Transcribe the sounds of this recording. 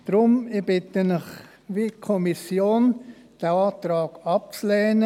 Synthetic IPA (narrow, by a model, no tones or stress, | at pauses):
d̥ɾʊmɪbɪt̪ənɪχ | ʋikʰɔmisjoːn | d̥ɛɑːt̪ɾɑːɡ̥ɑp̚t͡slɛːnə